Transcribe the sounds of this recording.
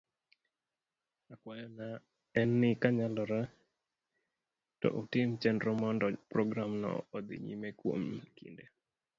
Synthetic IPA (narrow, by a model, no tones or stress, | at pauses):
akwajɔna | ɛnːɪkaɲalɔɾa | tɔ̰ʔutɪmt͡ʃɛndɾɔmɔndɔpɾɔɡɾamnɔ̰ːd̪ɪ̰ɲḭmekwo̰mkḭnde